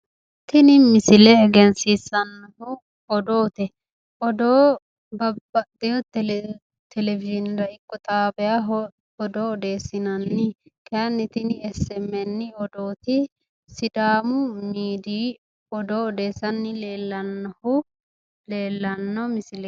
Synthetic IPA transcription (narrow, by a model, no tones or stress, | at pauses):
t̪ɪnɪmɪsɪlɛːɡɛnsiːsɐnːɐhʊ | ɔd̪oːt̪ɛ | ɔd̪oː | bɐbɐd̪ɛjɔt̪ɛ | t̪ʰɛlɛvɪd͡ʒɪnɾɐɪkʼːɔt̪ʼaːbɛjaɦɔ | ɔd̪oɔd̪e̞ːsːɪnɐnːɪkɛɐnːɪt̪ɪnɪɛsɛmɛnːɪɔd̪oːt̪ɪ | sɪd̪aːmʊmiːd̪iː | ɔd̪oːɔd̪e̞ːsɐnːɪleːlːɐnːɐhʊ | leːlːɐnːɔmɪsɪlɛ